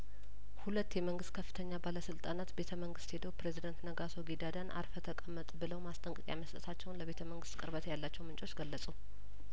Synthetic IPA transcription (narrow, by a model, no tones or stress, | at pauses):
hulət̪ːjɛməŋɡɨst̪kʰəfːɨt̪ʰəɲːabaləsɨlt̪ʼanat̪be̞t̪ʰəməŋɡɨst̪hed̪əwpɾe̞zid̪ənt̪nəɡaso̞ɡid̪ad̪anʔa̰ɾfət̪ʰəkʼəmːət̪ʼbɨləwmast̪ʼəŋkʼɨkʼja̰məst̪ʼət̪ʰat͡ʃːɛwnləβe̞t̪ʰəməŋɡɨst̪kʼɨɾβət̪ʰjalːat͡ʃːɛwmɨnt͡ʃʼo̞t͡ʃːɡəlːəsʼu